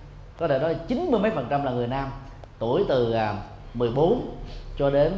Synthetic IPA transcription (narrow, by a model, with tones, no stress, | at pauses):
kɔ˨˦t̪ʰe˧˩nɔ˨˦˨t͡ɕï˨˦nmɨ˧əjmə˨˦jfə˨˩nt͡ɕa˧mlaː˨˩ŋɨ˨˩əjnaː˧m | t̪u˧˩əjt̪ɨ˨˩a˨˩ | mɨ˨˩əjɓo˨˦nt͡ɕɔ˧ɗe˨˦n